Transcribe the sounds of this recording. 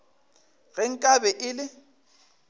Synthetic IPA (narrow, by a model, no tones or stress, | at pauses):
ɣɛŋ̩kʼabɛʔɪlɪ